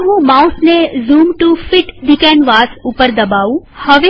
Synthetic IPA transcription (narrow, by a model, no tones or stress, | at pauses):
ɦũmaʊsnezuːmʈufɪʈd̪ɪkɛ̃nʋaːsuːpəɾd̪ɐbaːũhəʋe